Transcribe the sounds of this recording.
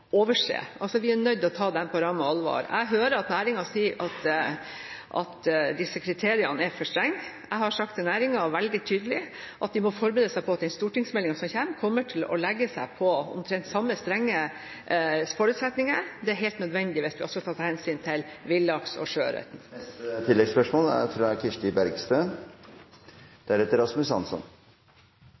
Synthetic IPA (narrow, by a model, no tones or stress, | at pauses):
oːʋəʂḛːʔɑlsɔʋɪænœd̪ːɔt̪ʰɑːd̪ɛnpʰɔɾɑməɑlʋɑ̰ːɾæ̰ɪɦøːɾəɑt̪næːɾɪŋɑsiːɾʔɑt̪ | ʔɑ̰t̪d̪ɪsːəkʰɾɪt̪ʰeːɾɪɑnəɛɾfɔʂt̪ɾɛŋ | æɪɦhɑɾʂɑkt̪næːɾɪŋɑʋɛld̪ɪt̪ʰyːd̪əlɪ | ʔɑt̪̚d̪ɪmɔfɔɾbɾeːd̪əsæɪpʰɔɑt̪̚d̪ɛɪnst̪uːʈɪŋsmɛlːɪŋɑsɔmçæmkʰɔmːəʈʰɪlɔ̰lɛɡːəsæɪpʰɔʊ̰mt̪ʰɾɛnt̪sɑmːəst̪ɾɛŋːə | fɔɾʉːt̪sɛt̪nɪŋəɾd̪ɛæɾɦɛɪlt̪nœd̪ʋɛnd̪ɪʋɪst̪ʋɪʔɔsɔɑːt̪ʰɑhɛnsyːnt̪ʰɪlʋɪlːɑksɔ̰ʂø̰ːɾɛ̰t̪n̩t̪ʰɪlːɛɡspœʂmoːlæ̰ɾfɾɑkʰɪʂʈɪbæɾɡst̪øː | d̪̥ɛæɾɛt̪əɾɑsmʉsɑ̰nsɔ̰n